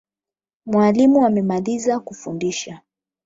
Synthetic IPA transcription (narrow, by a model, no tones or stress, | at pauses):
mwalimuamɛmalizakufundiʃa